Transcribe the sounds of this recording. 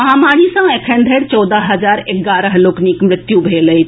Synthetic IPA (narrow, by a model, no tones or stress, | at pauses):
ɐɦãmaːɽ̃isãekʰənd̪ʱeɽt͡ʃɔːd̪aɦɐzaːɾeɡaːɾəɦloːkniːkmɾɪt̪jũbʱeːləi